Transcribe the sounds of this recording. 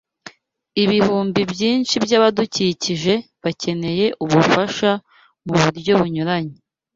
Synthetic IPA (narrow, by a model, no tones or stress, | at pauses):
iβihuːmbibjiːnt͡ʃibjaːβaduciciʒe̞ | βacʰe̞ne̞je̞ʔuβufaʃa | muβuɾɟo̞βuɲuɾaɲe